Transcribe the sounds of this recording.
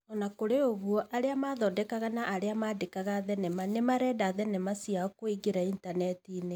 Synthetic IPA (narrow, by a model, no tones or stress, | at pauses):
ɔnakoɾeoɣwɔʔaɾeamaðɔdɛkaɣanaʔaɾeamaːdekaɣaðɛnɛmanemaɾɛdaðɛnɛmasiakoiɡeɾaintanɛtine